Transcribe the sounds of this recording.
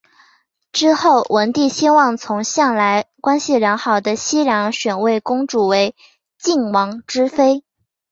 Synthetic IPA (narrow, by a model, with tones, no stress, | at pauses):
ʈ͡ʂɻ̩˥xo˥˩ʊwə˧˥nt̪i˥˩ɕɛ˥nwɑ˥˩ŋt͡sʰʊ˧˥ŋɕjɑ˥˩ŋla˧˥ɪkwa˥nɕi˨ljɑ˧˥ŋxɑ˨˩ʊd̪ə˦ɕi˥ljɑ˧˥ŋɕɥɛ˨˩nwe˥˩ɪkʊ˥ŋʈ͡ʂu˨˩we˧˥ɪ | t͡ɕi˥˩ŋwɑ˧˥ŋʈ͡ʂɻ̩˥fe˥ɪ